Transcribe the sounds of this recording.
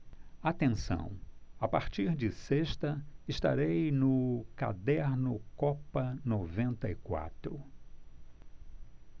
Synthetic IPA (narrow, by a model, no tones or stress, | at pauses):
at̪ẽsɐ̰̃w̃apaɾt͡ʃiɾd͡ʒɪseʃt̪ɐɪst̪a̰ɾejnʊka̰d̪ɛɾnʊkɔpɐnovẽnt̪ɐikwa̰t̪ɾʊ